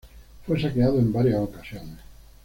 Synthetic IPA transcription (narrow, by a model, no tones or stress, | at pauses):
fwesakeaðoembaɾjasokasjoŋe